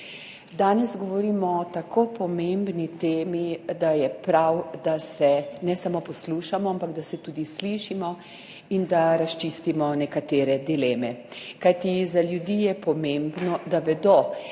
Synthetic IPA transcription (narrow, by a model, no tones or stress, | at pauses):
d̪aːnɛzɡɔʋɔɾiːmɔt̪akʰoːpɔmembnit̪eːmid̪ajɛpɾawd̪asɛnɛsamopɔsluːʃamɔampaɡd̪asɛt̪uːd̪isliʃimɔ | ind̪aɾast͡ʃist̪imɔnɛkat̪eːɾɛd̪ilɛːmɛkajt̪izaljud̪ijɛpɔmembnɔd̪aʋɛd̪o